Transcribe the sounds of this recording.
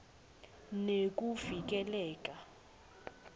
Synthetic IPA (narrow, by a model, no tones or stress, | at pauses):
nek̬ʼuvik̬ʼɛlɛːkʼa